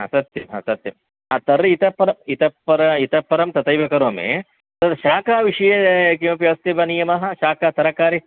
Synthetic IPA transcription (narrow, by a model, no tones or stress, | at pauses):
ɦɐ̰sɐt̪jɐma̰sɐt̪jɐm | at̪ɐɾit̪ɐpːɐɾɐmit̪ɐpːɐɾɐit̪ɐpːɐɾɐmt̪ɐt̪ɐjbʱɐkɐɾoːmḛ̃ | t̪ɐt̪ʃaːkaːʋiʂɐjɐkiʋɐpjɐɐst̪ɐbɐnijɐmɐɦɐ̆ʃaːkaːt̪ɐɾɐkaːɾi